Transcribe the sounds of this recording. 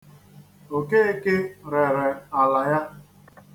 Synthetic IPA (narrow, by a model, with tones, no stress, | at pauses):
o˨ke˦e˦ke˦ɾe˨ɾe˨a˨la˨ja˦